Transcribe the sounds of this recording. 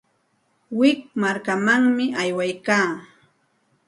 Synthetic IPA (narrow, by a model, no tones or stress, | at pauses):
wɪk̚maɾkamaŋmɪʔajwajkaː